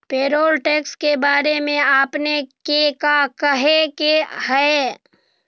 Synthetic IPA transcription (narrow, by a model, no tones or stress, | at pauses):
peːɾoːlʈeːkskebaːɾemẽaːpnekekakəɦekehɛe